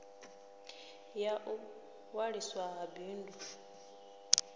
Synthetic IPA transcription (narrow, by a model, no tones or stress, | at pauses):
jaʔu | waɺiswaɦabiːndu